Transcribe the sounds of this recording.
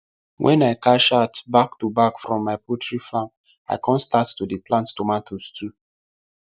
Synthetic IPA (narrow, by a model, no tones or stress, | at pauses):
wʔɛ̰̃naɪkaʃatbaktubakfɹɔ̃mːaɪpʰɔtʰɹiflãŋk | a̰ɪkʰɔ̃nstattudiplãnttɔmatʰostʰu